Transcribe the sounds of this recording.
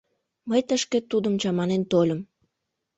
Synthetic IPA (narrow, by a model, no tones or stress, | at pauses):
məjt̪əʃkĕt̪ud̪əmt͡ɕɑmɑnent̪olʲə̆m